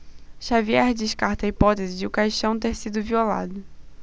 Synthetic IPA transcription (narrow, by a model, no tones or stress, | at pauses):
ʃaviɛɾd͡ʒɪʃkaɾt̪ɐipɔt̪ezɪd͡ʒɪʊkajʃɐ̃w̃t̪eɾsid̪ʊviola̰d̪ʊ